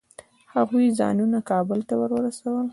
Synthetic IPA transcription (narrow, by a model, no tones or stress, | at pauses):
haɣujzɑ̰nunakɑbəlt̪awəɾwəɾasawəl